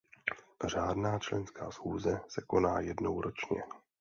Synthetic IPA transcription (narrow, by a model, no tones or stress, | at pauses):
r̝aːdnaːt͡ʃlɛ̰nska̰ːsxuːzɛsɛko̞naːjɛdno̞wɾot͡ʃɲɛ̰